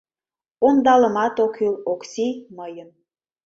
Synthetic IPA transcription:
ond̪ɑləmɑt̪okʰyloksʲiməjən

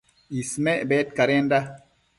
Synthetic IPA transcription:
ismɛʔbɛt̚kaɾenda

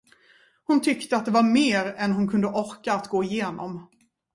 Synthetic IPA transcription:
hʊnt̪ʰʏkt̪əat̪̚d̪ɛvaɾmeːɾɛnɦʊnkʰɵnd̪əʔɔɾkaːt̪ɡoːɪjeːnɔ̰m

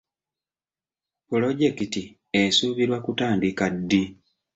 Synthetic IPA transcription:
pulo̞ɟe̞kiti | esuːβiɾwakutaːndikadːi

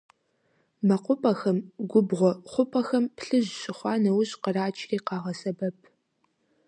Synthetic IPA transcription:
mɐqʷʊpʼɐxɐmɡʷʊbʁʷɔχʷʊpʰʼɐxɐmpɬɨʑɕʼɪχʷɑːnɐwʊɕʼqəraːt͡ʃʰʼriːqɑːʁɐsɐbɐp̚ʰ

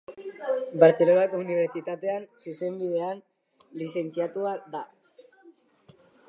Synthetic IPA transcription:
baɾt͡se̞lonakouniβ̞e̞ɾt͡ʃit̪at̪e̞ansuse̞mbiðe̞an | lise̞nt͡siat̪uaða

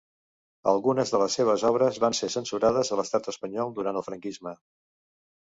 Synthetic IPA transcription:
ə̰lˠɣunəzðələsːeβ̞əzɔβ̞ɾəzβansesənsuɾaðəzələst̪at̪əspəɲɔlˠd̪uɾant̪əlˠfɾəŋkizmə

